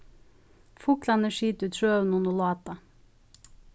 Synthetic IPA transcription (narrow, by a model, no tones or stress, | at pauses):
fʊklɑnəʃiːt̪ʉːt̪ʃøːʉnʊnɔlɑːt̪ɑ